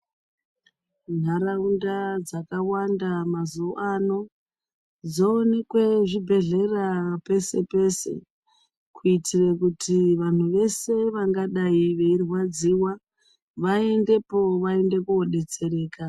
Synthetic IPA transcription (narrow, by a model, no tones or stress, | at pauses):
n̤aɾaundad͡zakawandamazuoʔano̞ | d͡zoːne̞kwe̞ʐibʱe̞ɮe̞rape̞se̞pe̞se̞̰ | kʰuitirekutʰiʋan̤uʋe̞se̞ʋaŋɡaɗaiʋe̞irwad͡ziwa | ʋae̞nde̞po̞ʋae̞nde̞kuoɗe̞t͡se̞ɾe̞ːka